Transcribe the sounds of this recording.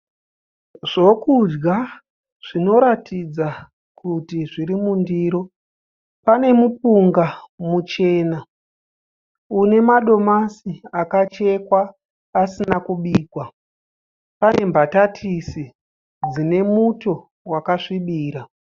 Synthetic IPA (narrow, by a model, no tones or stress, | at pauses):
ʐ̥o̞kud͡ʒɡa | ʐ̥ino̞ɾatid͡za | kutiʐiɾimundiːɾo̞ | pane̞mup̚uŋɡamut͡ʃe̞ːna | une̞maɗo̞masiakat͡ʃe̞kwaː | sinakuɓiːkwa | pane̞mbatatʰisi | d͡zine̞muto̞ | wakaʂiɓiːɾa